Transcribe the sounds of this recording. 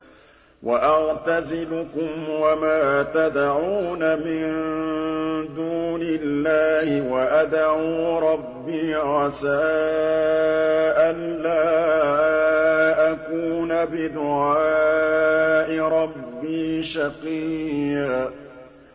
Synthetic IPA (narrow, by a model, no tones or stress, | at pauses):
wʔaʔɑɣt̪azɪlʊkʊmwamaːt̪ad̪ʕuːnamɪnn | d̪uːnɪlːaːhɪwaʔad̪ʕuːɾˤɑbːiːɣɑsaː | ʔanːaː | ʔakuːnabɪd̪ʊʕaː | ʔɪɾˤɑbːiːʃaqia